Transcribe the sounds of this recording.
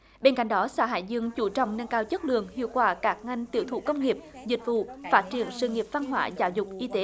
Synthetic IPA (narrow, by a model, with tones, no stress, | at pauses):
ɓe˧nka̰˧˨jŋ̟ɗɔ˨˦sa̰ː˧˥ɦa̰ː˧˨jzɨ˧əŋt͡ɕu˧˩t͡ɕɔ̰˧˨wŋ͡mnə˧nkaː˧wt͡ɕə˦˥t̚lɨ̰˧˨əŋhḭ˧˨əwkwaː˧˩kaː˦˥k̚ŋa˧jŋ̟t̪ḭ˧˨əwt̪ʰṵ˧˩kə˧wŋ͡mŋi˨˩əp̚zï˨˩k̟̚vṵ˧˨faː˦˥t̚t͡ɕi˧˩ənsɨ̰˧˨ŋi˨˩əp̚v̥a˧nɦwaː˧˦zaː˧˦wzʊ˨˩k͡p̚ʔi˧t̪e˨˦